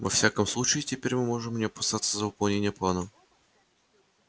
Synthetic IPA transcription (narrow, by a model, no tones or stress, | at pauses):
vɐfsʲakəmslˠut͡ɕɪɪtʲɪpʲeɾʲmɨmo̞ʐɨmnʲɪɐpɐsat̪səzəʊpɐlˠnʲenʲɪjəplˠanəm